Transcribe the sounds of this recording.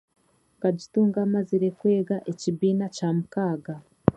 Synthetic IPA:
kaɟituːŋɡamaziɾekwe̞ːɡaʔecibiːnacaːmukaːɡa

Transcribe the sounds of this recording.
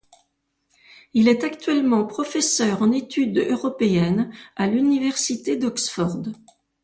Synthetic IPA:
ilɛt̪akt̪ɥɛlmɑ̃pχɔfɛsœʁɑ̃net̪ʰyd̪øʁɔpeɛnalynivɛʁsit̪ed̪ɔksfɔʁd̪

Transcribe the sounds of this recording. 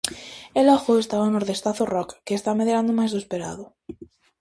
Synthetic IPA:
elɔɣoest̪aβaonoɾðest̪aθorɔkːeːst̪ameðeɾand̪omajzðoespeɾa̰ðʊ

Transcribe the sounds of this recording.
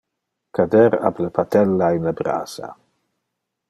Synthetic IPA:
kadɛɾa̰bləpat̪ɛlːainlabɾa̰ːsa̰

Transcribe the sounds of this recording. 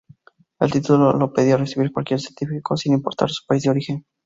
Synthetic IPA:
ḛlt̪it̪ulolo̞pe̞ðiaresiβiɾkwalkje̞ɾsjent̪ifiko̞sinimpo̞ɾt̪a̰ɾsu̥paizd̪eo̞ɾixe̞n

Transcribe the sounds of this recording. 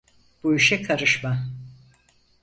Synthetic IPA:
b̥uiʃɛkʰaɾɯʃma

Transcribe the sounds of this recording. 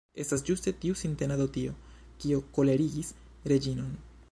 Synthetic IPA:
e̞stasd͡ʒuste̞tiusinte̞nadotio̞ | kio̞ko̞le̞ɾiɡis | ɾe̞d͡ʒino̞n

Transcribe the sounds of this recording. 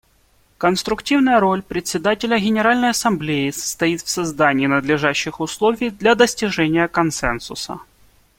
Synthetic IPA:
kənst̪ɾʊktʲivnəjəɾo̞lʲpɾʲɪt̪ʲsʲɪd̪atʲɪlʲəɡʲɪnʲɪɾalʲnəjɐsɐmblʲejɪsə̥st̪ɐit̪fsɐzd̪anʲɪːnəd̪lʲɪʐaɕːɪxʊslˠovʲɪjd̪lʲɐd̪əsʲtʲɪʐɛnʲɪjəkɐnsɛnsʊsə̰

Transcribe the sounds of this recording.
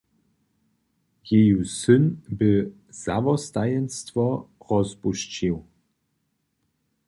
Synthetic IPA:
jejusɘnbɘ | z̥a̰vɔst̪ajɛnst̪vɔɾɔzpuɕt͡ɕiw

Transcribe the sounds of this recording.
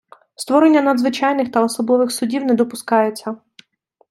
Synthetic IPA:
st̪ʋɔɾenʲːɐnɐd̪zʋɪt͡ʃɑjnɪxt̪ɐɔsɔbˠɔʋɪxsʊdʲiwnɛd̪ɔpʊskɑjet͡sʲːɐ

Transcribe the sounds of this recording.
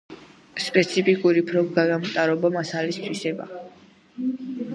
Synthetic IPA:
spʼɛt̪sʰipʰikʼuɾipʰɾɔɡaɡamt̪ʼaɾɔbɔmasalist̪ʰwisɛba̰

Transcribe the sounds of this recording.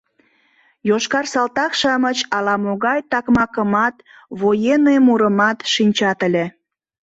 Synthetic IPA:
joʃkɑrsɑlt̪ɑkʃɑmət͡ɕɑlɑmoɣɑjt̪ɑkmɑkəmɑt̪ | βojenemuɾəmɑt̪ʃinʲt͡ɕɑt̪əlʲe

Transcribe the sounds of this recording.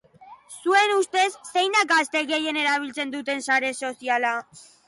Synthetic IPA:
sue̞nust̪e̞sːe̞jnd̪akɡast̪e̞ɣe̞je̞ne̞ɾaβ̞ilt͡se̞nd̪ut̪e̞nsaɾe̞so̞siala

